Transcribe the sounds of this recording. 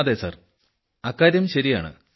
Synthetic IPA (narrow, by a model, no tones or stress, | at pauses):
ðesa̰ːr | ɐkːaːɾjɐmɕɐɾijaːɳɨ̰